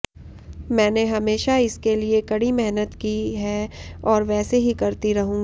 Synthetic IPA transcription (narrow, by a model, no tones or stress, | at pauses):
mɛ̃ːneɦɐmeːʃaɪskeliekɐɽimɛɦnət̪kiɦɛːɔːɾʋɛːseɦikɐɾt̪iɾɐɦũːɡ